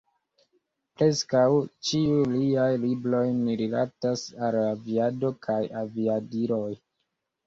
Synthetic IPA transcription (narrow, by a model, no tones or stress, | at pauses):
pɾe̞skawt͡ʃiujliajlibɾo̞jniɾila̰tasalaviado̞kʰajaviadiɾo̞j